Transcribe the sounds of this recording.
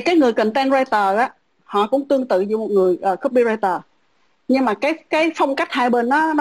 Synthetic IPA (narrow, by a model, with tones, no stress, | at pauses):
kaː˨˦jŋɨ˨˩əjkə˧˨˩ŋt̪ɛ˧nzaː˧jt̪əː˨˩ʔaː˨˦ | hɔ̰˧˨kʊ̰˧˥ŋ͡mt̪ɨ˧əŋt̪ɨ̰˧˨zṵ˧˩mo˨˩t̚ŋɨ˨˩əjʔəː˨˩xɨ˦˥p̚ɓi˧zaː˧jt̪əː˨˩ | ɲɨ˧ŋmaː˨˩kaː˨˦jkaː˨˦jfə˧wŋ͡mka˦˥k̟̚haː˧˨jɓe˧nːɔ˨˦n˨